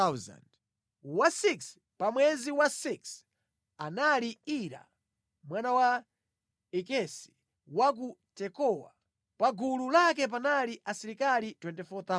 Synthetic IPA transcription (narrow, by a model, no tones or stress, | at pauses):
aza̰nd | wasiks | pamwɛziwasiks | analiiɾa̰ | mwanawa | ɛkɛsi̥ | wak̬utɛkɔwa̰ | paɡululak̬ɛp̬analiʔasiɾikalitwɛntɛfɔt̪a